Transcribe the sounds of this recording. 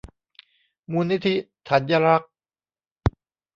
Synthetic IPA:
muː˧nːi˦˥t̪ʰi˦˥t̪ʰa˨˩˦nja˧ɾa˦˥k̚

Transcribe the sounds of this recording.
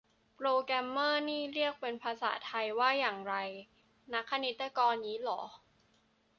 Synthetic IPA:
pɾoː˧kɾɛ˧mːɤː˥˩niː˥˩ɾi˥˩ək̚pe˧npʰaː˧sa̰ː˩˦t̪ʰa˧jwaː˥˩jaː˨˩ŋɾa˧j | na˦˥kʰːa˧ni˦˥t̪ːa˧kɔː˧nːiː˦˥lɔː˩˦

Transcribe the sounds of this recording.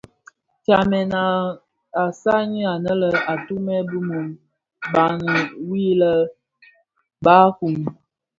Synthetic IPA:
t͡ʃa˨mɛ˨na˨ | a˨sa˦ɲi˦a˨nə˦lə˨a˨tu˦mɛ˦bu˦mo˨m | ba˨nə˨wi˦lə˦ | ba˦ku˨m

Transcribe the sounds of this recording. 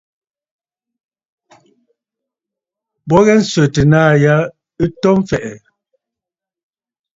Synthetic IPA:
bɔ˦ɣɛ˦n̩˦sɥə˨tə˨naː˦˨ja˦ | i˦tɔ˦m˦fɛ˨ʔɛ˨

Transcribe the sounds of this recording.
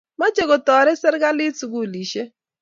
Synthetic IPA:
ma˦d͡ʒe˦ɣɔ˨tɔ˨ɾɛ˦sɛ˦ɾɡa˦lɪ˦tu˨ɡu˦˨li˨ʃe˦

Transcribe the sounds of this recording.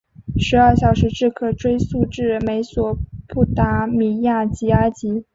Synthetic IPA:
ʂɻ̩˧˥ə˞˥˩ɕjɑ˨˩ʊʂɻ̩˧˥ʈ͡ʂɻ̩˥˩kʰɤ˨˩ʈ͡ʂwe˥ɪsu˥˧ʈ͡ʂɻ̩˥˩me˧˥ɪswɔ˨˩pu˥˩t̪a˧˥mi˨˧˩ja˥˩t͡ɕi˧˥a˥t͡ɕi˧˥

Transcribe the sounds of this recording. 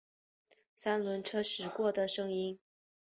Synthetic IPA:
sa˥nlwə˧˥nʈ͡ʂʰɤ˥ʂɻ̩˧˥kwɔ˥˩d̪ə˨ʂɤ˥ŋi˥n

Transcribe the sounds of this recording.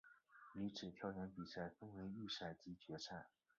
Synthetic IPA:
i˧˥ʈ͡ʂʰɻ̩˨˩t̪ʰjɑ˧˥ʊjɛ˧˥npi˨˩sa˥˩ɪfə˥nwe˧˥ɪy˥˧sa˥˩ɪt͡ɕi˧˥t͡ɕɥɛ˧˥ʂʰa˥˩ɪ

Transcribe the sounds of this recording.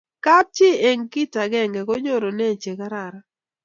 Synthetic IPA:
ka˦p̚t͡ʃɪ˦e˨ŋki˦ta˨ɡɛ˦ŋɡɛ˨ɡo˦ɲo˦ɾo˨nɛ˦˨t͡ʃe˨ka˦ɾa˨ɾa˦

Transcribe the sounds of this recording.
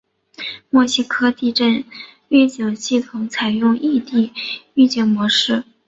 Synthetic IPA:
mwɔ˥˩ɕi˥kʰɤ˥t̪i˥˧ʈ͡ʂə˥˧nɥɛ˥˩t͡ɕjo˨˩ʊɕi˥˩t̪ʰʊ˧˩˥ŋt͡sʰa˨˩ɪjʊ˥˧ŋi˥˧t̪i˥˧y˥˧t͡ɕjɛ˨˩nmwɔ˧˥ʂɻ̩˥˩

